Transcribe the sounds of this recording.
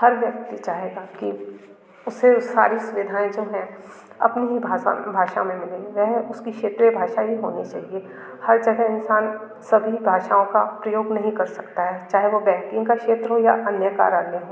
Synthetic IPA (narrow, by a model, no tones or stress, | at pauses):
hɐɾʋjɐk̚t̪it͡ʃaːɦeɡaki | ʊsesa̰ːɾisʊʋɪd̪ʱaːẽd͡ʒoːɦɛ̃ | ɐ̰pniɦibʱaa̰bʱaːʃa̰mẽmɪlẽʋɛɦʊskikʃeːt̪ɾebʱaːʃaɦiɦo̰ːnit͡ʃa̰ːɦie | hɐɾd͡ʒɐɡəɦɪnsaːn | sɐbʱibʱaːʃaːõkapɾɐjoːɡnɐɦĩkɐɾsɐkt̪aɦɛt͡ʃaːɦeʋobɛ̃ːŋkɪ̃ŋɡkakʃeːt̪ɾəɦoja̰ʔɐnjəka̰ːɾaːɾneɦoː